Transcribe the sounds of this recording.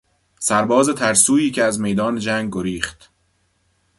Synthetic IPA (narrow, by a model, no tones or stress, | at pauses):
sæɾbɒːze̞t̪ʰæɾsuːiːcʰeæzme̞jd̪ɒːned͡ʒæːŋɡɡoɾiːχt̪